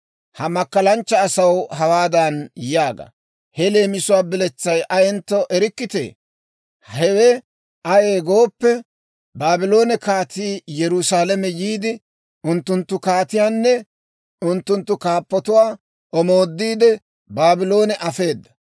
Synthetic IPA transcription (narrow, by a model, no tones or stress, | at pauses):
hɐmɐkːɐlɐnt͡ʃːɐːsɐwɦɐwaːd̪ɐnjaːɡɐ̰ | hɛle̞ːmɪsʊwaːbɪlɛt͡sːɐjʔɐjɛnt̪ːɔʔɛɾɪkːɪt̪ḛː | hɛwɛ | ʔɐjeːɡo̞ːpːɛ | baːbɪlo̞ːnɛkaːt̪iːjɛɾʊsaːlɐmɛjiːd̪ɪ | ʔʊnt̪ːʊnt̪ːʊkaːt̪ɪjaːnːɛ | ʊnt̪ːʊnt̪ːʊkaːpːɔt̪ʊwaː | ʔɔmo̞ːd̪ːiːd̪ɛ | baːbɪlo̞ːnɛʔɐfe̞ːd̪ːɐ̥